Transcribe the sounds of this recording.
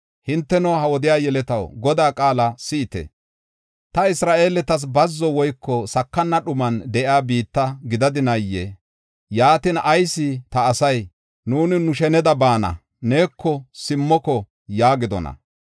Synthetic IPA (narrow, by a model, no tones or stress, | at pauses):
hɪnt̪ːɛnɔhɐwɔd̪ɪjaːjɛlɛt̪ɐwɡɔd̪aːkʼaːlɐsɪːt̪ɛ̰ | t̪ɐɪsɾaːʔe̞ːlɛt̪ɐs̬bɐzːɔwɔjkːɔsɐkːɐnːɐɗʊmɐnd̪ɛʔjaːbiːt̪ːɐɡɪd̪ɐd̪ɪnɐjːɛ | jaːt̪ɪnɐjsːɪt̪ɐːsɐj | nuːnɪnʊʃɛnɛd̪ɐbaːnɐ̰ | ne̞ːkʰːɔsɪmːɔkɔ | jaːɡɪd̪ɔ̰nɐ̰